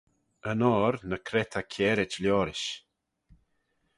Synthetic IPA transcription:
ənɔːɾnəkʰɾɛt̪ʰakʰɛːɾɪt͡ʃljɔːɾɪʃ

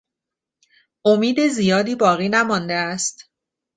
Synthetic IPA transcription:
ʔomiːd̪ezijɒːd̪iːbɒːɣiːnæmɒːnd̪eæst̪

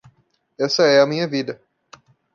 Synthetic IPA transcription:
ɛsɐɛɐmĩɲɐvid̪ɐ

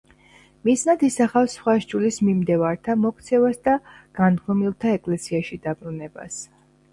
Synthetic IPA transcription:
miznad̪isaχafsχwaʃd͡ʒulismimd̪ɛvaɾt̪ʰamɔk̚ʰt̪sʰɛvasd̪aɡ̥and̪ɡɔmilˠt̪ʰaɛkʼlɛsiaʃid̪abɾunɛba̰s

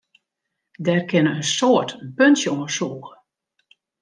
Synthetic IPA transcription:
dɛrkɪnəənsoːətpønsjəoŋəsuːɣə

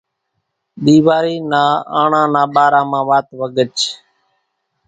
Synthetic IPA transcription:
ɗiːʋaːɾiːnaːaːɳãːnaːɓaːɾaːmãːʋaːt̪ʋəɡət͡ʃ

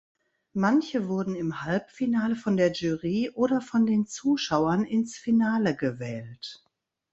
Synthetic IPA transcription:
mançəvʊɐdn̩ɪmhalpfinaːləfɔndeːɐʒyːʁiːʔoːɾɐfɔndeːnt͡suːʃaʊɐnɪnsfinaːləɡəvɛːlt

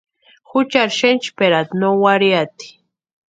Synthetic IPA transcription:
xʊt͡ʃaɾʃent͡ʃpeɾat̪nowaɾjat̪i̥

